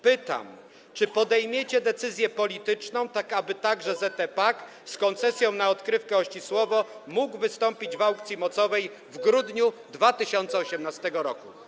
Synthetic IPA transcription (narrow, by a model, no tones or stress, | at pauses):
pɘt̪a̰m | t͡ʂɘpɔd̪ɛjmʲjet͡ɕɛd̪ɛt̪sɘzʲjɛpɔlʲit̪ɘt͡ʂnɔ̃w̃t̪akabɘt̪aɡʐɛzɛt̪ɛpak | skɔnt̪sɛsʲjɔ̃w̃naɔt̪kɾɘfkɛɔɕt͡ɕiswɔvɔmuɡvɘst̪ɔmpʲid͡ʑvawkt̪sʲimɔt̪sɔvɛj | vɡɾud̪ɲud̪vat̪ɘɕɔnt̪sɛɔɕɛmnast̪ɛɡɔɾɔku